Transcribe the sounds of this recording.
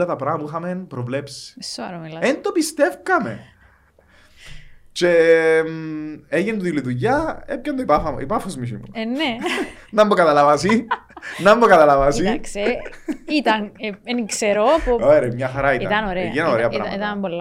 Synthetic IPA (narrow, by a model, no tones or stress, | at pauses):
lɐt̪ɐpɾɐmɐmuixɐmenpɾovlepsi̥soɐɾoilɐent̪opist̪e̞fkɐme̞̰ | ce | eʝend̪uilit̪uʝɐepçɐnd̪oipɐfɐḭpɐfozmiçḭmṵenenɐmːokɐt̪ɐlɐvɐsinɐmːokɐt̪ɐlɐvɐsikseit̪ɐneenikseɾopooeɾemɲɐxɐɾɐitḭt̪ɐnoɾeenɐoɾeɐpɾɐ̰it̪ɐnbolː